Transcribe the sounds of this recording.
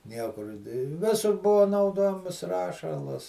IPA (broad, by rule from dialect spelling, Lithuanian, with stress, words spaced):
ˈnʲiɛkʊr ɪ ˈʋʲɪsʊr ˈbʊʋoː nɐʊˈdoːjɛmɐs ˈrɑːʃɐlˠɐs